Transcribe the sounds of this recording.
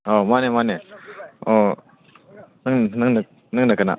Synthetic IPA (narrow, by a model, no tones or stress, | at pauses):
omanemane | o | nɯŋnɯŋnə | nɯŋnakəna̰